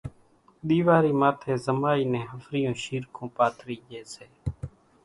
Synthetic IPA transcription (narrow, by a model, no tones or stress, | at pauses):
ɗ̪iːʋaːɾiːmaːt̪ʰeːzəmaːiːnẽːɦəfɾɪjõːʃiːɾkʰõːpaːt̪ɾiːd͡ʒeːseː